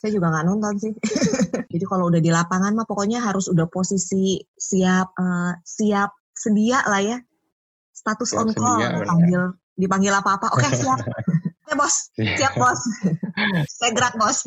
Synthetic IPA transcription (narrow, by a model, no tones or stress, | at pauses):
sajad͡ʒuɡaŋɡaʔnɔnt̪ɔnsɪh | d͡ʒadikaloudahdilapaŋanmapɔkɔɲaɦaɾʊsudahposisisiap̚əsiap̚sədiaʔlahja | st̪at̪ʊsɔ̰ŋkɔdipaŋɡɪl | dipaŋɡɪlapaːpaʔokesiap̚kebɔssiap̚bɔs | saɡɾat̪̚bɔs